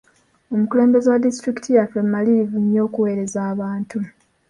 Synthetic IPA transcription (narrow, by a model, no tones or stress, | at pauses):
o̞mukule̞ːmbe̞zewadistɾiki̥tʰijafemaliɾivuɲjo̞ːkuwe̞ːɾe̞zaːβaːntu